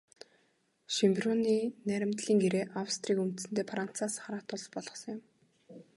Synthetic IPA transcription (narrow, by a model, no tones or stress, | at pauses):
ʃimpʲroniːnæɾʲɪ̆mt̪ɮiːŋɡeɾeːʔawst̪riːkum̥t̪sɘ̆nt̪eːpʰran̥t͡saːsχaɾaːt̪ʰʊɮpɔɮɞ̆χsɞ̆ŋjʊm